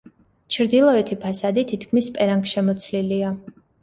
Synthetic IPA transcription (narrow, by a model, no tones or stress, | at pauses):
t͡ʃʰɾd̪ilˠɔɛt̪ʰipʰasad̪it̪ʰit̪ʰkʰmispʼɛɾaŋkʰʃɛmɔt̪sʰlilia